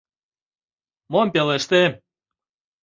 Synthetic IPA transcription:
mompeleʃt̪e

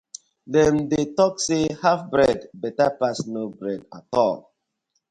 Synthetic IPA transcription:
dɛ̃ndetɔksehafbɹɛdbɛtapasnobɹɛdatɔ̰l

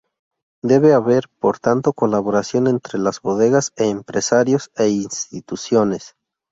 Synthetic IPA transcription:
d̪e̞βe̞aβe̞ɾpo̞ɾt̪ant̪o̞ko̞laβo̞ɾasjo̞ne̞nt̪ɾe̞lazbo̞ðe̞ɣaseːmpɾe̞saɾjo̞seinst̪it̪usjo̞ne̞s

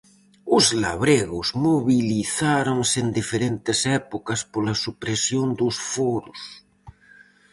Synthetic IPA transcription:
ʊzla̰βɾeɣozmoβiliθaɾoŋsend̪ifeɾent̪esɛpokaspolasupɾesjond̪osfoɾos

